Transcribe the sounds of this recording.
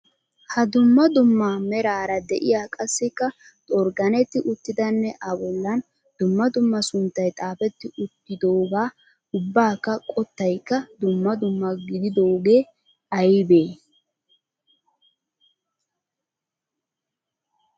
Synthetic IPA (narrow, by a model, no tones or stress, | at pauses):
hɐd̪ʊmːɐd̪ʊmːamɛɾaːɾɐd̪ɛʔɪjaːkʼɐsːɪkːɐ | t̪ʼɔɾɡɐnɛt̪ːɪʔʊt̪ːɪd̪ɐnːɛʔɐbɔlːɐn | d̪̥ʊmːɐd̪ʊmːɐsʊnt̪ːɐjt̪ʼaːfɛt̪ːɪʔʊt̪ːɪd̪oːɡaː | ʊbːaːkːɐkʼɔt̪ːɐjkːɐd̪ʊmːɐd̪ʊmːɐɡɪd̪ɪd̪oːɡe̞ː | ɐjbe̞ː